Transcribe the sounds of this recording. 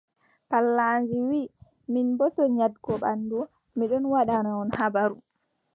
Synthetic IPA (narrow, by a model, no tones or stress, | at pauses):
palːand͡ʒiwi | minbɔtɔɲadɡɔɓa̰ndu | miɗɔnwaɗanaɔnhabaɾu